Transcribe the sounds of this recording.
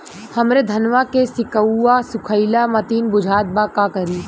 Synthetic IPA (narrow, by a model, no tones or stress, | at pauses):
hɐmɾed̪ʱɐnʋakesɪkəasʊkʰəɪlamɐt̪iːnbʊd͡ʒʱaːt̪̚bakakɐɾiː